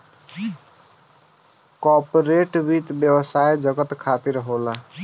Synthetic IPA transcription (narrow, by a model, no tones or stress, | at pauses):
kɔpoɾeʈbit̪bjəwəsajd͡ʒəɡət̪kʰat̪iɾɦola